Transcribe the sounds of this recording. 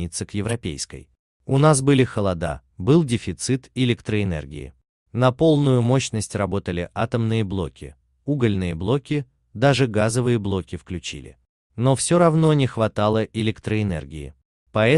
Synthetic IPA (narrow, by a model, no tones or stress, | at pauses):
it̪səkjɪvɾɐpʲḛjskə̰j | ʊnasbɨlʲɪxəlˠɐd̪a̰ | bɨlˠdʲɪfʲɪt̪sɨt̪ɪlʲɪkt̪ɾəɪnɛ̰rɡʲɪ̰ɪ̰ | nɐpo̞lˠnʊjʊmo̞ɕnəsʲtʲrɐbo̞t̪əlʲɪʔat̪əmnɨjəblˠokʲɪ̰ | uɡəlʲnɨjəblˠo̞kʲɪ | d̪aʐɨɡazəvɨjəblˠo̞kʲɪfklʲʉt͡ɕḭlʲɪ̰ | nofsʲoɾɐvno̞nʲɪxvɐt̪alˠəʔɪlʲɪkt̪ɾəɪnɛ̰rɡʲɪ̰ɪ̰ | pɐɛ